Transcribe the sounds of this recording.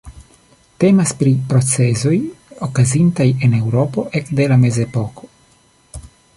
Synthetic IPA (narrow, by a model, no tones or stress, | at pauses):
te̞maspɾipɾo̞t͡se̞zo̞jokazintaje̞ne̞wɾo̞po̞ʔe̞kde̞lame̞ze̞po̞ko̞̥